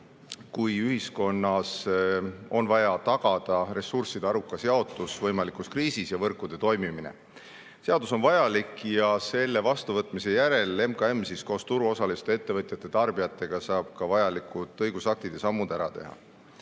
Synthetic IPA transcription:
kujyhisko̞nːɑs | o̞nvɑjɑt̪ɑɡ̥ɑd̪̥ɑɾe̞sːursid̪̥eɑɾukːˑɑseɑo̞t̪ːˑusvɤjmɑlikuskriːsisjɑvɤrkːˑud̪̥e̞t̪o̞jmiminḛ | se̞ɑd̪uso̞nvɑjɑlikjɑse̞lːe̞vɑst̪uvɤt̪ːˑmise̞jæɾe̞le̞mkɑe̞msisko̞ːst̪uɾuo̞sɑlist̪ee̞t̪ːe̞vɤt̪ʲˑjɑt̪ːˑet̪ɑrbijɑt̪ːˑe̞ɡ̥ɑsɑːb̥̚kɑvɑjɑlikut̪ːˑɤjɡ̥usɑk̚t̪id̪̥e̞sɑmːud̪æɾɑt̪e̞̰ɦɑ̰

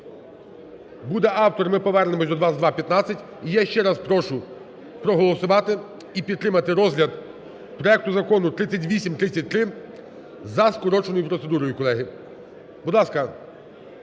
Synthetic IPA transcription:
bud̪ɛʔɑwt̪ɔɾmɪpɔʋɛrnɪmɔsʲd̪ɔd̪ʋɑzd̪ʋɑpʲjɐt̪nat͡sʲɐtʲ | ijaʃt͡ʃɛɾɑspɾɔʃʊ | pɾɔɦɔlˠɔsʊʋɑt̪ɪ | ipʲid̪ːɾɪmɐt̪ɪɾɔzlʲɐd̪ | pɾɔɛk̚t̪ʊzɐkɔnʊt̪ɾɪt͡sʲːɐtʲʋʲisʲimt̪ɾɪt͡sʲɐt̚ʲt̪ɾɪ | zɐskɔɾɔt͡ʃonɔjʊpɾɔt̪se̞d̪uɾɔjʊkɔlˠɛɦi | b̥ud̪lˠɑskɐ

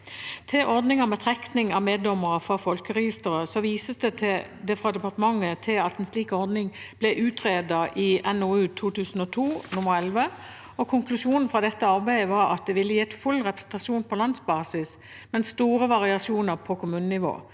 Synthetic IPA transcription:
t̪ʰɪʔɔɾd̪nɪŋəmɛt̪ʰʁɛk̪nɪŋɑʋmeːd̪lɔmːəʁəfʁɑfɔlkəʁɛjɪst̪əɾəsɔʋiːsəsd̪ɛt̪ʰɪd̪ɛfʁɑd̪ɛpɑʁt̪əmɑŋːət̪ʰɪlɑt̪ɛnsliːkɔɾd̪nɪŋb̥lɛʔʉːt̪ʁeːd̪ɑʔɪɛnɔʉːt̪ʰuːt̪ʉːsn̩ɔt̪ʰuːnʊməɾɛlʋə | ɔkʰʊŋklʉʃuːnn̩fʁɑd̪ɛt̪ːəɑɾbæɪəʋɑɾɑ̰t̪̚d̪ɛʋɪlːəjiːɛt̪fʉlːʁɛpʁə̥sn̩t̪ɑʃuːnpʰɔlɑnsbɑːsɪs | mɛnst̪uːɾəʋɑʁɪɑʂuːnəʁpʰɔkʰʊmʉːnnɪʋo̰ː

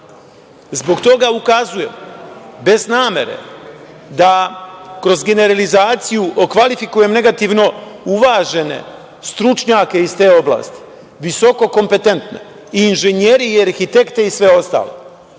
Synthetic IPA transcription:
zbo̞ɡt̪o̞ɡaukazuje̞̰mbe̞znaːme̞̰ɾe̞̰ | d̪akɾo̞zɡe̞ne̞ɾalizaːt̪sijuʔokʋalifikuje̞mne̞ɡat̪iʋno̞uʋaːʒe̞ne̞̰ | st̪ɾut͡ʃɲaːke̞ist̪e̞ːo̞bla̰ːst̪i̥ | ʋiso̞ko̞ko̞mpe̞t̪e̞nt̪nḛ | iːnʒeɲe̞ɾiaɾxit̪e̞kt̪e̞isʋe̞o̞st̪a̰lḛ

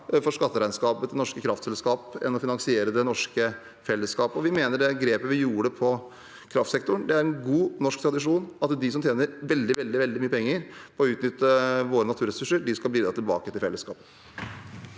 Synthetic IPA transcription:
fɔʂkɑt̪ːəɾæɪnskɑːpəd̪ɛnɔʂkəkʰɾɑft̪sɛlskɑːpɛ̰nːɔfɪnɑŋsɪeːɾəd̪ɛnɔʂkə | fɛlːəskɑːpɔʋɪmeːnəɖɛɡɾeːpəʋɪjuːɾəpʰɔ | kʰɾɑft̪sɛkt̪ʊɳd̪ɛæɾɛnɡuːnɔʂkt̪ʰɾɑd̪ɪʂuːnɑt̪d̪ɪsɔmt̪ʰjeːnəɾʋɛld̪ɪʋɛld̪ɪʋɛld̪ɪmyːəpʰɛŋːəɾpʰɔɔʉːt̪nʏt̪ːəʋoːɾənɑt̪ʰʉːɾɛsʉʂəɾɖɪskɑlbliːd̪ɾɑt̪ɪlbɑ̰ːkət̪ɪlfɛ̰ləskɑ̰ːpə

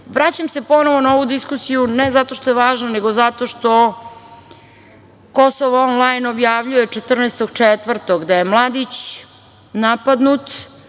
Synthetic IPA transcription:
ʋɾat͡ɕamsepo̞noʋonaoʋud̪iskusijunezat̪o̞ʃt̪ojeʋaːʒnaneɡo̞zat̪o̞ʃt̪o̞ | ko̞soʋonlˠajno̞bjaʋʎujet͡ʂet̪r̩nest̪oɡ̚t͡ʂet̪ʋr̩t̪oɡd̪ajemlˠad̪it͡ɕ | napad̪nut̪

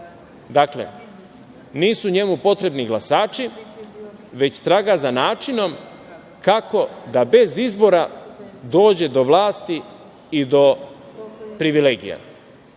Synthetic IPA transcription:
d̪aklḛ | niːsuɲe̞mupo̞t̪ɾe̞bniɡlˠasaːt͡ʃi | ʋe̞t͡ɕt̪ɾaːɡazanaːt͡ʃino̞m | kako̞d̪abe̞zizbo̞ɾad̪o̞ːd͡ʑe̞d̪o̞ʋlˠaːst̪iː | d̪o̞ | pɾiʋileːɡḭja̰

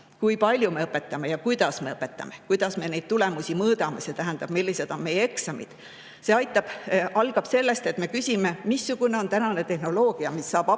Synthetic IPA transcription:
kujpɑlʲjume̞ɤpːˑe̞t̪ːˑɑme̞jɑkujd̪̥ɑsme̞ɤpːˑe̞t̪ːˑɑ̰me̞kujd̪̥ɑsme̞nejd̥̪̚t̪ule̞musʲimɤːd̪ɑmese̞t̪æɦænd̪ɑb̥milːise̞d̪̥onme̞je̞ksɑmḭd̪̥ | se̞ɑjt̪ːˑɑb̥ʔɑlɡ̥ɑb̥se̞lːe̞st̪e̞t̪me̞kysʲime̞misːuɡ̥une̞o̞nt̪ænɑne̞t̪e̞hno̞lo̞ːɡ̥iɑmisːɑːb̥ɑ

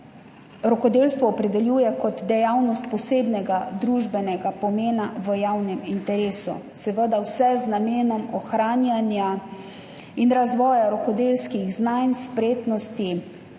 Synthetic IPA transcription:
ɾɔkɔd̪eːlst̪ʋɔːpɾɛd̪ɛljuːjɛkɔd̪d̪ɛjawnɔst̪̚pɔseːbnɛɡad̪ɾuːʒbɛnɛɡapɔmeːnaʋəjawnɛmint̪ɛɾeːsṵsɛʋəd̪awsɛznameːnɔmɔxɾaːnjanja | inɾazʋɔːjaɾɔkɔd̪eːlskiɣznajnspɾeːt̪nɔst̪i

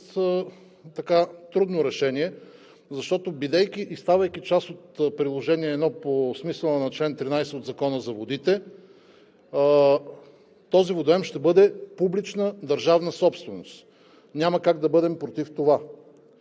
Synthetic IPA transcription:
t̪ɐkat̪ɾud̪noɾɛʃɛniɛ | zɐʃt̪ɔt̪obid̪ɛjk̟ʲiʔist̪avəjkit͡ʃasot̪pɾilˠoʒɛniɛːd̪nɔposmisəlˠnɐt͡ʃlɛnt̪ɾinajsɛod̪zɐkɔnəzɐvod̪it̪ɛ | t̪ɔzivod̪oɛmʃt̪ɛbɤd̪ɛpublit͡ʃnəd̪ɐɾʒavnəsɔpst̪vɛnost̪ | nʲamɐkaɡd̪ɐbɤd̪ɛmpɾot̪ift̪ova

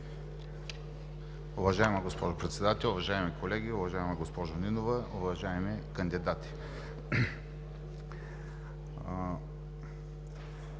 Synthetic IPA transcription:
ʊvɐʒaɛmɐɡospɔʒʊpɾɛt̪sɛd̪at̪ɛlˠʊvɐʒaɛmikolɛɡʲiʊvɐʒaɛmɐɡospɔʒʊninovəʊvɐʒaɛmikɐnd̪id̪at̪i̥

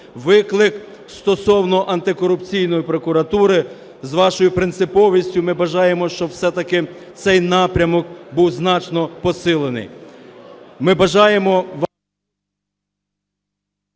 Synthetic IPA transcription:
ʋɪklˠɪk | st̪ɔsɔwnɔʔɐnt̪ɪkɔɾʊpt͡sʲijnɔjipɾɔkʊɾɐt̪uɾɪ | zʋɑʃɔjʊpɾɪnt̪sɪpɔʋʲisʲtʲʊmɪbɐʒɑje̞mɔʃt͡ʃɔwsɛt̪ɐkɪ | t̪sɛjnɑpɾʲɐmɔkbuwznɑt͡ʃnɔpɔsɪlˠenɪ̰j | mɪbɐʒɑjemɔʋ

